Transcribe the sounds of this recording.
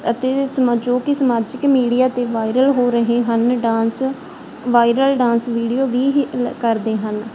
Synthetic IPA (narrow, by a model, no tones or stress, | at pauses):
ət̪eːsəməd͡ʒoːkɪsəmaːd͡ʒɪkmiːɽijaːt̪eːʋaːɪɾəlɦoːɾəɦeːɦənɖãːns | ʋaːɪɾəlɖãːnsʋiːɖijoːʋiːkəɾd̪eːɦən